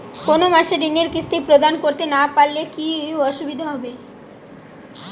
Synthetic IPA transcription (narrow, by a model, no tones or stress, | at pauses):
konomaʃeɖ̪ineɾkɾist̪ipɾod̪ankoɾt̪enapalːekiɔʃubid̪ʱaɦɔbe